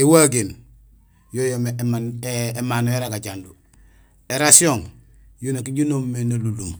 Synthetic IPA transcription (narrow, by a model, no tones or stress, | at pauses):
ewaɡen | jojomemanemanoeɾaɡaɟandu | eɾasioŋ | junakiɟunomːenaluluŋ